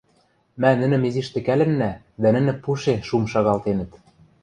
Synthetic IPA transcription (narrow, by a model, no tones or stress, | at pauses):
mænɘ̆nɘ̆meziʃt̪ɘ̆kælɘ̆nːæ | d̪ænɘ̆nɘ̆puʃeʃumʃɑɣɑlt̪enɘ̆t̪